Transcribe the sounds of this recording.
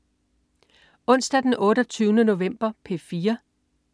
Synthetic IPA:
ɔ̽n̰sd̥æd̥enʔɔ̽ːɾɒt͡sʰyːʊnəno̝ʋem̰b̥ɐpʰe̝fiːɐ

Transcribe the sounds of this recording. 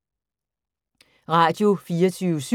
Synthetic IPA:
ʁɑ̰̈ːd̥jo̝fiːɐt͡sʰyːʊəs

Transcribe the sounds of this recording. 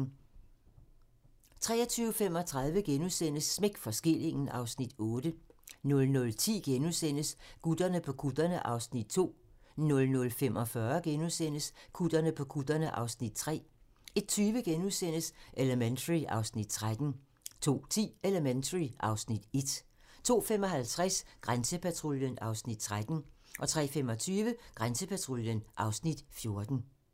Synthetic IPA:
t͡sʰʁɛ̰ːɐt͡sʰyːʊfem̰ɒ̽t͡sʰʁɑ̈ð̞ˠʋəɡ̥enusen̰əsːme̝ɡ̥fɒ̽sɡ̥e̝l̰e̝ŋn̩ʔɑ̈ʊsnid̥ɔ̽ːd̥ənɔ̽lnɔ̽lt͡sʰḭːɡ̥enusen̰əsɡ̥ud̥ɐnəpʰɒ̽kʰud̥ɐnəʔɑ̈ʊsnid̥̚t͡sʰo̝̰ːnɔ̽lnɔ̽lfemʔɒ̽fɶɐɡ̥enusen̰əskʰud̥ɐnəpʰɒ̽kʰud̥ɐnəʔɑ̈ʊsnid̥̚t͡sʰʁɛ̰ː | e̝d̥̚t͡sʰyːʋəɡ̥enusen̰əsʔeləment͡sʰəʁiʔɑ̈ʊsnid̥t͡sʰʁad̥n̩ | t͡sʰo̝̰ːt͡sʰḭːeləment͡sʰəʁiʔɑ̈ʊsnid̥e̝d̥ | t͡sʰo̝̰ːfem̰ɒ̽ɦælt͡sʰʁasɡ̥ʁansəpʰæt͡sʰʁo̝ljənɑ̈ʊsnid̥̚t͡sʰʁad̥n̩ʔɒ̽t͡sʰʁɛ̰ːfem̰ɒ̽t͡sʰyːʋəɡ̥ʁansəpʰæt͡sʰʁoljənʔɑ̈ʊsnid̥fjo̝ɐd̥n̩

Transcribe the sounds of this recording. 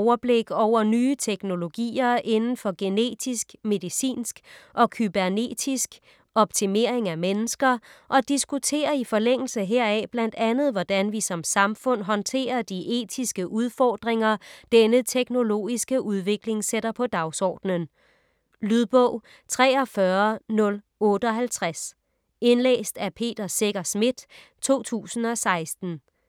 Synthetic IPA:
ʊɐb̥le̝ɡ̥ɒʊ̰ɐnyːt͡sʰeɡ̥no̝lo̝ɡ̥ḭːɐʔe̝nn̩fɒ̽ɡ̥e̝ne̝̰ːd̥isɡ̥me̝ðˠisḭːnsɡ̥ʔɒ̽kʰyb̥æɐne̝̰ːd̥isɡ̥ | ʔɒ̽b̥̚t͡sʰime̝ɐ̰e̝ŋæmenəsɡ̥ɐʔɒ̽d̥isɡ̥ut͡sʰe̝̰ːɐifɒ̽leŋ̰l̩səɦeɐ̰ɛb̥læn̰d̥ænð̞̩ˠʋɒd̥ænʋisɒ̽msɑ̈mfɔ̽n̰ɦɒ̽nt͡sʰe̝̰ːɐd̥iʔe̝̰ːt͡sʰisɡ̥əʔuð̞ˠfɒːd̥ʁeŋɐd̥enət͡sʰeɡ̥no̝lo̝̰ːisɡ̥əʔuð̞ˠʋe̝ɡ̥le̝ŋseɾɐpʰɒ̽d̥ɑ̈ʊsɒ̰ːd̥nən | lyðˠb̥ɔʊ̰ | t͡sʰʁɛːɒfɶɐnɔ̽l | ɔ̽ːɾ̥əɒ̽ɦælt͡sʰʁas | e̝nlḛːsd̥æpʰe̝̰ːd̥ɐse̝ɡ̥ɐsmid̥ | t͡sʰo̝̰ːt͡sʰṵːsn̩ɒ̽sɑ̈ɪsd̥n̩

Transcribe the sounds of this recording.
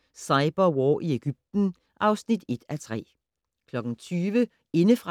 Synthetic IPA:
sɑ̈ɪb̥ɐwɒːʔieɡ̥yb̥̚d̥n̩ | ʔɑ̈ʊsnid̥e̝d̥æt͡sʰʁɛ̰ː | kʰlɒ̽ɡ̥n̩t͡sʰyːʋə | e̝nəfʁɑ

